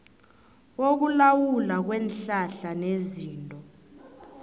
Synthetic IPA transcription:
wok̬ulawulak̬wɛːnɬaɬaneziːntʼɔ

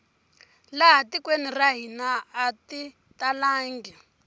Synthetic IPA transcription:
laɦatikweniraɦinaːti | talaːŋɡi

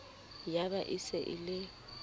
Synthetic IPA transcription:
jaβaʔɪsɛʔɪ̰lɪ

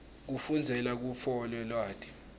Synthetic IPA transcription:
k̬ufund͡zʱɛlak̬up̪fʰɔlɛlwaːd̥ʱi̥

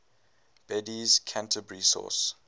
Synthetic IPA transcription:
b̥ɛdiz̥kʰãntʰəbɹisɔ̰s

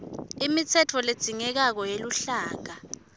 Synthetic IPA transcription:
imit͡sʰɛtʰɔled̥z̥ʱiŋɛk̬ak̬ɔjeluɬaːk̬a

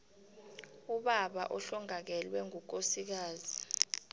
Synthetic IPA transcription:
uɓaɓa̰ʔɔɬɔŋak̬ɛlwɛŋuk̬osik̬aːzi

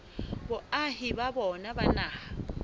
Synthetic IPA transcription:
bʊahibabɔnabanaːha

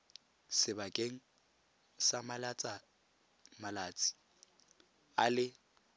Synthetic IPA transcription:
sɪbakʼeŋ̩ | samalat͡sʼa | malaːt͡sʼɪ̥ | alɪ

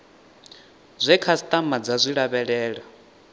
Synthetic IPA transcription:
zʷɛkʰasit̪ʼamad͡zazʷiɺaβɛɺɛːɺɔ

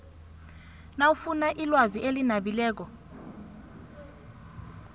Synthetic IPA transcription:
nawufunaʔilwaziʔelinaɓilɛːk̬ɔ

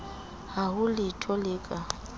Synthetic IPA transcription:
haɦʊlɪtʰʼɔlɪːkʼa

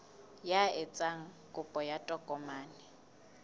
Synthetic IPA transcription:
jaɪt͡sʼaŋ̩kʼʊpʼɔjatʼɔkʼɔmaːnɪ

